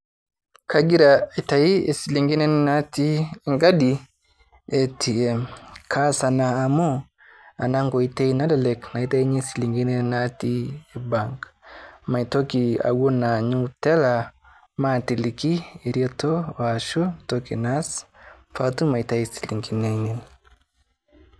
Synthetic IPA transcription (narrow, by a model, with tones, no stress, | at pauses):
ka˨ɡi˦ɾa˨i˨ta˨i˦e˨si˨li˨ŋɡi˦nɛ˦na˦ti˦ŋɡa˦di˨ | ɛ˦tʰi˨ɛ˨mkʰa˦sa˨naː˨mo˦ | a˨na˦ŋɡo˨i˦ta˦i˦na˦lɛ˨lɛ˨kna˨i˦ta˦i˦ɲe˦si˨li˨ŋɡi˦nɛ˦na˦ti˦eba˨ŋkma˨i˨to˦ki˨a̰˨wo˦na˨ɲu˦tɛ˦la˨ | ma˦˨ti˨li˨ki˦i˨ɾi˦ɔ˦to˦wa˨ʃo˦to˦ki˨na˦s | fa˦tu˦ma˨i˨ta˨i˦si̥˨li˨ŋɡi˨nɛ˨nɛ˨n